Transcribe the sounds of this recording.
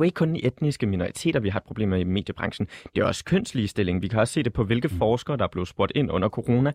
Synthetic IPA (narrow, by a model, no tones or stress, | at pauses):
e̝ɡ̥əkʰɔ̽nd̥iʔed̥nisɡ̥əminoʁit͡sʰe̝̰ːd̥ɐʋiɦɑ̈d̥̚pʰʁo̝b̥e̝̰ːmeime̝̰ːd̥jəb̥ʁɑ̈ŋɕn̩d̥e̝æɒ̽skʰøn̰sliːsd̥e̝le̝ŋʋikʰæɒ̽sse̝̰ːd̥e̝pʰɒ̽ʋe̝lɡ̥ð̩ˠfɒːsɡ̥ɐːdɑ̈ɐb̥le̝ðˠsb̥uɐd̥e̝n̰ɔ̽n̰ɐkʰo̝ʁo̝ːnæ